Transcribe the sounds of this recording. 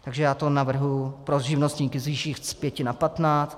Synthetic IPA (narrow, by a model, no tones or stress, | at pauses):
t̪aɡʒɛjaːt̪o̞navr̩ɦjʊpɾoʒɪvnost̪ɲiːkɪzviːʃiːxspjɛcɪnapat̪naːt͡st̪